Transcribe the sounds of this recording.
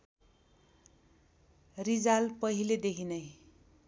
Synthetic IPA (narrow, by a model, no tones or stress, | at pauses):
rid͡zalpʌɦiled̪ekʰinʌj